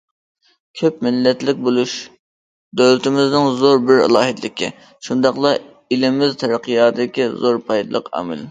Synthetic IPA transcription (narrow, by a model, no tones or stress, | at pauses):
kʲʰøpmɪlːɛt̪lɪk̚ʲbolˠuʃ | d̪øwlɪt̪ʰɪmɪznɪŋzoɾbɪɾɪ̰lˠɑːɦɪt̪lɪkʲḭ | ʃund̪ɑqlˠɑ | ilɪmɪzt̪ʰɛɾəqʰɨjɑːd̪ɪkʲizoɾpʰɑjd̪lˠə̰qʰɑ̰ːmɪ̰l